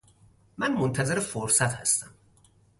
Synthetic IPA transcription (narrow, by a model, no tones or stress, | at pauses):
mænmont̪ʰæze̞ɾefoɾsæt̪hæ̰st̪æm